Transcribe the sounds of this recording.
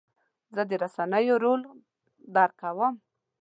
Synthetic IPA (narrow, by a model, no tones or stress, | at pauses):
zəd̪əɾasanəjoɾol | d̪ɑɾkawəm